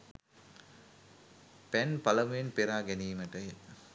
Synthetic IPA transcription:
pænpɐlɐmujenpeɾaːɡɛniːməʈəje

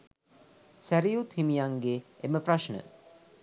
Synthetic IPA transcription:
sæɾijut̪himijaŋɡeeməpraʃɳə̰

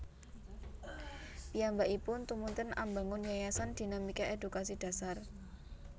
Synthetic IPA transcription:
piambaʔipʊnt̪umunt̪ɪna̰mba̤ŋʊnjajasand̪̥i̤namikaʔedukasid̥a̤sar

